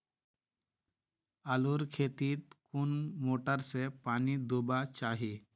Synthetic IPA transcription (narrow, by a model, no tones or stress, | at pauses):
əluɾkʰet̪iːt̪̚kunmoːʈəɾsepaːnid̪ubat͡ʃaːɦi